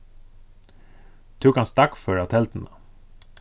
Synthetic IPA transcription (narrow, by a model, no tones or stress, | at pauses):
t̪ʰʉːkɑnst̪ɑkfœɹat̪ʰɛlt̪n̩ə